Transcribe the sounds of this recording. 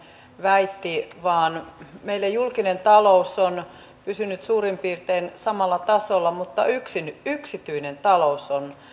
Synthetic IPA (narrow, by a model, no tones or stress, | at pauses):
ʋæit̪ːiʋɑːnmeilːæjulkinent̪ɑlouson | pysynyt̪suːrimpiːrt̪einsɑmɑlːɑt̪ɑsolːɑmut̪ːɑyksinyksit̪yinent̪ɑlouson